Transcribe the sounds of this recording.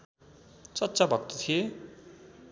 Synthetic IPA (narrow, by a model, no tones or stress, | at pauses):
t͡sʌt̪ːt͡sabʱʌk̚t̪ot̪ʰije